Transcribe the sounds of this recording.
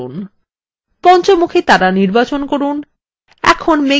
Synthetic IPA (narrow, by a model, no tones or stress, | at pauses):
un | pɔnt͡ɕomukʰet̪aɾaniɾbat͡ɕonkoɾun | ɛ̰kʰonme